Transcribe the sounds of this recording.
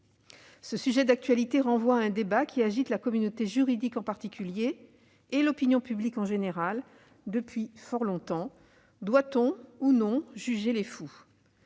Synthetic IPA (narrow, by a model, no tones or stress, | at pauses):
səsyʒɛd̪ak̚t̪ɥalit̪eʁɑ̃vwaɛ̃d̪ebakʲʰiaʒit̪lakɔmynot̪eʒyʁid̪ikɑ̃paʁt̪ikʲyljeː | lɔpinjɔ̃pyblikɑ̃ʒeneʁal | d̪əpɥifɔʁlɔ̃t̪ɑ̃ | d̪wat̪ɔ̃unɔ̃ʒyʒelefu